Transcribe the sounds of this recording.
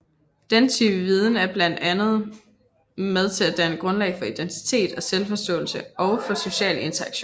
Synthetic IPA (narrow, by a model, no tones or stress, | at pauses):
d̥ent͡sʰyb̥əʋiːð̞ˠn̩æɐb̥læn̰d̥ænð̞̩ˠ | með̞ˠt͡sʰe̝læd̥ænəɡ̥ʁɔ̽nlɛ̰ɪfɒ̽id̥ent͡sʰi̥t͡sʰe̝̰ːd̥ɒ̽selfɒ̽sd̥ɔ̰̽ːl̩səɒ̽ʊfɒ̽so̝ɕɛ̰ːle̝nt͡sʰɐɑ̈ɡ̥ɕo̰ː